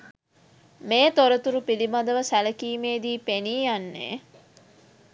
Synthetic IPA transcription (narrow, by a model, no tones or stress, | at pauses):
meːt̪oɾɐt̪uɾupilimɐd̪ɐʋəsælɐkiːmeːd̪iːpeniːjɐnːḛː